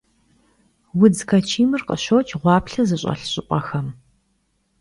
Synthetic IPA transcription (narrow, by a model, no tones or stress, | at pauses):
wʊd͡zkʰɐt͡ʃʰiːmɨrqʼə̰ɕowt͡ʃʼʁʷɑːpɬɐzɨɕʼɐ̰ɬɕʼɪʔʷʼɐxɐm